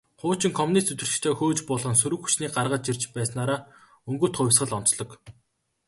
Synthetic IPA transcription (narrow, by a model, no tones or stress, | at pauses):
χʊːt͡ɕɪ̆ŋkʰɔmunist̪ɵt̪ɘ̆rɮ̆t̪ʰeːxoːt͡ɕpɔɮʁɞ̆ns̬ɵɾɘ̆kxu̥t͡ɕniːɢarʁə̆t̪t͡ɕirt͡ɕpæːsnaːɾaː | ɵŋɡɵ̆ːt̪χʊjʲw̆ʲsɢə̆ɮɔn̥t͡sɮɞ̆k